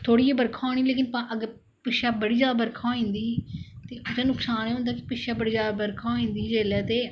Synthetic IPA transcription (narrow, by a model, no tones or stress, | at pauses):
t̪ʰoːɽiːebəɾkʰaːɽ̃iːleːkɪnpãːʔəɡəɾ | pɪʃaːbəɽiːd͡ʒjaːd̪aːbəɾkʰõːĩːnd̪iːt̪eːʊt͡ʃaːnʊksaːneːɦʊ̃nd̪aːkɪ̥pɪʃaːbəɽiːd͡ʒaːd̪aːbəɾkʰaːĩːnd̪iːd͡ʒeːlɛːt̪eː